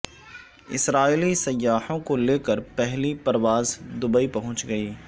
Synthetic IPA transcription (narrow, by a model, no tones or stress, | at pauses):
ɪ̰sɾaːilisɐjːaːhõkoleːkəɾpɛɦlipɐɾʋaːzd̪ʊbəipɐɦʊ̃t͡ʃɡɐiː